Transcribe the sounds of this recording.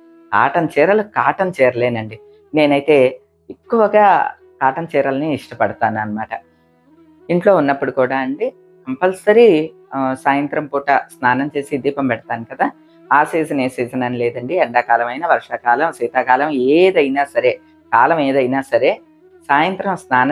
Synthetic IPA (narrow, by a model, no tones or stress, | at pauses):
ka̰ːʈɐnt͡ʃɛːɾɐlukaːʈɐnt͡ʃɛːɾɐleːnɐɳɖi | ne̞ːnɐjit̪e̞ː | ekːuʋɐɡaː | kaːʈɐnt͡ʃɛːɾɐlɐniiʂʈɐpɐɽɐt̪aːnɐnɐmaːʈɐ | iɳʈlo̞ːunːɐpːuɽukuːɽaːɐɳɖi | ɐmpɐlsɐɾi | saːjɐnt̪ɾɐmpuːʈɐsnaːnɐmt͡ʃe̞ːsid̪iːpɐmpɛɽɐt̪aːnikɐd̪aː | aːsiːsɐneːsɛːsɐnɐnilɛːd̪ɐɳɖiɐɳɖaːkaːlɐmɐjnɐʋɐɾʂaːkaːlɐmsiːt̪aːkaːlɐmeːd̪ɐjinaːsɐɾeː | kaːlɐmeːd̪ɐjinaːsɐɾe̞ː | saːjɐnt̪ɾɐmsnaːnɐ